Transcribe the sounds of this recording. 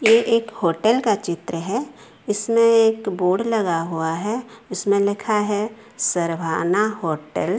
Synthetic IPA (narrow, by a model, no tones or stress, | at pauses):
jeʔeːkhoːʈəlkat͡ʃɪt̪ɾəɦɛ | ɪsmẽeːkboːɖlɐɡaɦuaɦɛʊsmẽlɪkʰaɦɛ | səɾbʱaːnaɦoːʈə̰l